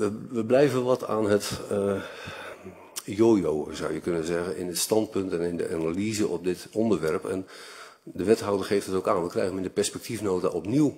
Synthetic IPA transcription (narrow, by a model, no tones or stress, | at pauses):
ʋəʋəblɛjvənʋɑta̰ːnɦət | joːjowəzʌ̰wjəkɵnəzɛɣənɪ̰ndətstɑnt̚pɵntɛnɪndə̰ʔanalizəʔɔp̚dɪtɔndərʋɛrpɛ̰n | dəʋɛtɦʌwdərχejftətokaːnʋəkrɛ̰jɣənmɪndəpɛrspɛk̚tʰifnowtaʔɔpniw